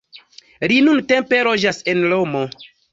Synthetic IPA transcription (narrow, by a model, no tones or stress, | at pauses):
ɾinunte̞mpe̞lod͡ʒasenlomo